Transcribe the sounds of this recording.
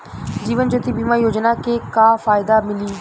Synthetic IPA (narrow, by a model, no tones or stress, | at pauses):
d͡ʑiːʋənd͡ʒoːt̪ibimaːijoːd͡ʑnakekaːfaːɪd̪amɪliː